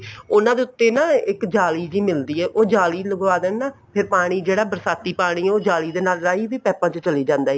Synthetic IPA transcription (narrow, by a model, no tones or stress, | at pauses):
ʊnãːd̪eːʊt̪ːeːnaːɪkd͡ʒaːliːd͡ʒiːmɪld̪iːɛːʔoːd͡ʒaːliːləɡʋaːd̪ənnaːpʰɪɾpaːɽ̃iːd͡ʒeːɽaːbəɾsaːt̪iːpaːɽ̃iːɛːoːd͡ʒaːliːd̪eːnaːlɾaːiːʋiːpɛːpãːt͡ʃət͡ʃəliːd͡ʒãːnd̪aːɦiː